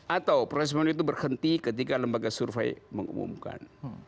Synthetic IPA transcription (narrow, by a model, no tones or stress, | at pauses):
ʔat̪awpɾoɛs̬mɛnit̪̬ubərhənt̪ikət̪̬ikaləmbaɡasurfa̰jməŋṵmṵmka̰n